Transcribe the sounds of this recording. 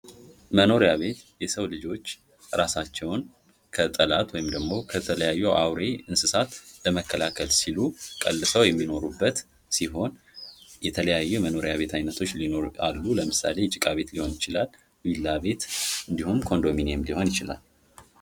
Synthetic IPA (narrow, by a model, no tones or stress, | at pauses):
məno̞ɾjaβe̞t̪jɛsəwlɨd͡ʒo̞t͡ʃː | ɾasat͡ʃːɛwn | kʰət̪ʼəlat̪wɔjɪmd̪əɡmo̞kʰət̪ʰələjajːɛwʔawɾe̞ɨnsɨsat̪ləməkʰːəlakʰəlsilukʼəlːɨsəwjɛmːino̞ɾubːət̪ | siɦo̞n | jɛt̪ʰələjajːɛməno̞ɾjaβe̞t̪ʰajnət̪ʰo̞t͡ʃːlino̞ɾa̰lːuləmɨsa̰le̞t͡ʃʼɪkʼaβe̞t̪liho̞njɪt͡ʃɪlal | wilːaβe̞t̪ɨnd̪ihumkʰo̞nd̪o̞mineɛmliho̞njɪt͡ʃɪla̰l